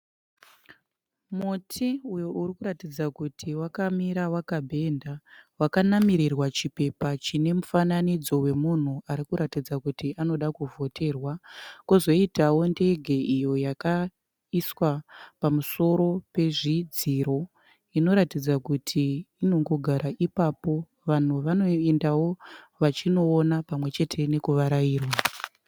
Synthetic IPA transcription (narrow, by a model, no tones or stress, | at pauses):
mutʰiujo̞ʔurikuɾatid͡zakutʰiwakamiɾawakabʱe̞ndawakanamiɾirwat͡ʃipe̞pat͡ʃine̞mufananid͡zo̞we̞mun̤uaɾikuɾatid͡zakutiʔano̞ɗakuvo̞tʰe̞rwakuzo̞itawo̞nde̞ɡʱe̞ijo̞jaka | iswapamuso̞ɾo̞pe̞ʐid͡ziɾo̞ | ino̞ɾatid͡zakutʰiːno̞ŋɡo̞ɡʱaɾaʔipapo̞ | ʋan̤uʋano̞endawo̞ | ʋat͡ʃino̞ːnapamwe̞t͡ʃe̞tʰe̞ne̞kuʋaɾajiːrwa